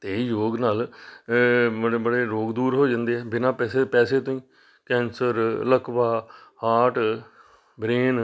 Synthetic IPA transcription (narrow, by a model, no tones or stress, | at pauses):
t̪eːjoːɡnaːl | bəɽeːbəɽeːɾoːɡd̪uːɾɦoːd͡ʒãːnd̪eːɛːbɪnãːpɛːseːpɛːseːt̪õːĩː | kɛ̃ːnsəɾləkʰbaːhaːʈ | bɾeːn